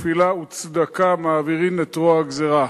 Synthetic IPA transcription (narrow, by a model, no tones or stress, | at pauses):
filaut͡sd̪akamaːviʁimet̪ʁoaɡzeʁa